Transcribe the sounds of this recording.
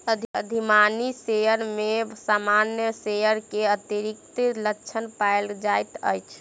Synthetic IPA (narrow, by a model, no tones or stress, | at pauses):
əd̪ʱəd̪ʱimanisejəɾmesamanjəsejəɾkeət̪iɾik̚t̪ləkːt͡ʃʰənpaeld͡ʒajt̪ə̰jt͡ʃʰ